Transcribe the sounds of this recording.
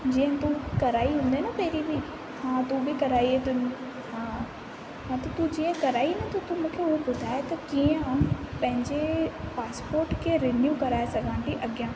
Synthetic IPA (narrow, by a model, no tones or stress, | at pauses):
d͡ʑiːə̃t̪ukɐɾaːiɦũːn̆d̪enɐpeːɾibʱi | hãːt̪ubʱikɐɾaːiɦet̪ʊn | ɦãː | ɦãt̪ɐt̪ud͡ʑiːə̃kɐɾaːinɐt̪ɐt̪umũːkʰeʊɦebʊd̪ʱaːet̪ɐkiə̃ɦãpɐ̃ɦɪ̃ɲd͡ʑepaːspoːɾʈkʰeɾenjuːkɐɾaːesɐɡʱanʈ̪iʔɐɡjãː